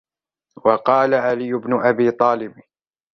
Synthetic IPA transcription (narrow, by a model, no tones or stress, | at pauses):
wɑqɑːlaʕalijːʊbnʊʔabiːt̪ˤɑːlɪb